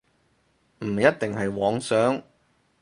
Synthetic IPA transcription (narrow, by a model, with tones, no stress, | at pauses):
m̩˨˩jɐ˥t̚t̪ɪ˨ŋɦɐ˨jwɔː˨˥ŋsœː˨˥ŋ